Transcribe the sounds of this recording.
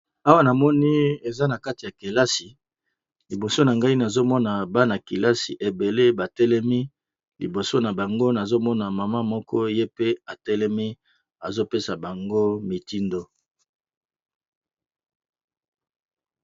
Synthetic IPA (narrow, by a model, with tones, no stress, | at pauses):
a˦wa˦na˨mɔ˦ni˦e˨za˦na˨ka˦ti˨ja˨ke˨la˦si˨ | li˨bo˨so˦na˨ŋɡa˦i˦na˨zo˦mɔ˦na˨ba˦na˨ki˨la˦si˨ʔe˨be˨le˦ba˨tɛ˦lɛ˦mi˦ | lḭ˨bo˨so˦na˨ba˨ŋɡo˦na˨zo˦mɔ˦na˨ma˨ma˦mɔ˦kɔ˦je˦pe˦a˨tɛ˦lɛ˦mi˦ | a˨zo˦pe˦sa˨ba˨ŋɡo˦mi˨ti˦ndo˦